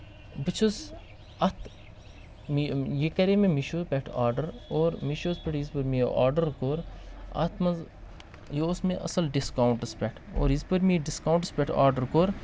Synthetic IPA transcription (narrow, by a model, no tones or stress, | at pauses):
bɨt͡ʃʰuz | ɐt̪ʰ | mijekɐɾemẽmiʃoːpʲeʈʰaːɾɖəɾoːɾmiʃoːzpʲeʈʰizpɨɾmiʔaːɾɖəɾkoːɾɐ̰t̪ʰmɐz | josmẽʔɐ̰sɐlɖiskawɳʈɐspʲɛʈʰo̰ːɾizpɐɾmiɖiskaːwɳʈəspʲeʈʰa̰ːɾɖəɾkoɾ